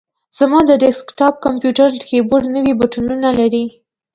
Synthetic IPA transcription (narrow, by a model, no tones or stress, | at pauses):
z̥amɑd̪əɖeskʈɑp̚kampjuʈaɾkeboɖnəwibuʈununalaɾi